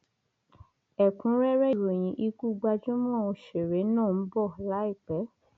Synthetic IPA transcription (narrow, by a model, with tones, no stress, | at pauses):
ɛ˨kũ˨˦ɾɛ˦ɾɛ˦˧ɾo˨j̃ĩ˨˦ʔi˧ku˦ɡ͡ba˧d͡ʒũ˦m˦ã˦o˧ʃe˨ɾe˨˦nãː˦˨n̩˦bɔ˦˨la˨˦i˦˨k͡pɛ˨˦